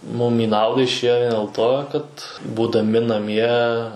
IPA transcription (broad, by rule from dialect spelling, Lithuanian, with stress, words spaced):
mʊm iː ˈnɐʊdɐ ɪʃʲˈeːjoː dʲeːlˠ ˈtoː kɐt buːdɐˈmʲɪ nɐˈmʲiɛ